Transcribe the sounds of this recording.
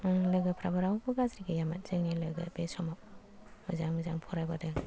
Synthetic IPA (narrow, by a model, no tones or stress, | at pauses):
lɯɡɯpʰɾabaɾawbɯɡazɾiɡajamat̚zɯŋnilɯɡa̰besɔmap̚ | mɯzaŋmɯzaŋpʰɔɾajbadɯ